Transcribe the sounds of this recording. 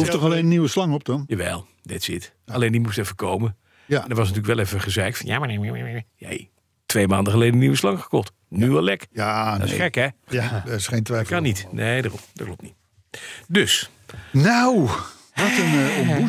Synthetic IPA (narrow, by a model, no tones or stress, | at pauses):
uftɔχalejnəniʋəslɑŋɔp̚dɔnjaʋɛ̰lˠ | dɛtsɪt | alejndimustɛfəkowmə | ɛndəɹʋɑs̬nətyləkʋɛlˠɛfəχəzɛjktfnja̰ːmanem̰jɛ̰j | tʋejmaːndəχəlejdəniʋəslɑŋχə̥kɔχt | nyʋɛlˠɛkjadɔɪsχɛkɛɛɪsχejntʋɛfkɑnitnʔeːdarɔ̰md̥ɔt̚klɔp̚tnit | døs | naw | ʋɔtənou